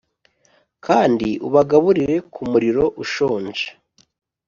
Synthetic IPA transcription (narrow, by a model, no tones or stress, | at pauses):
kʰaːndiʔuβaɡaβuɾiɾe̞kʰumuɾiɾo̞ʔuʃo̞ːnd͡ʒe̥